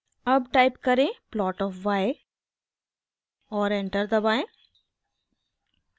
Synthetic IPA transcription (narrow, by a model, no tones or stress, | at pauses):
ɐbʈaːɪpkɐɾẽplɔːʈɔːfʋaːe | ɔːɾẽɳʈəɾd̪ɐbaːẽ